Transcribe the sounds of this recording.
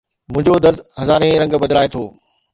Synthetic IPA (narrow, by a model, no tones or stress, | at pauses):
mʊ̃ɦɪ̃ɲd͡ʑod̪ɐɾd̪hɐzaːɾẽɾɐ̃ŋɡbɐd̪laːet̪ʰoː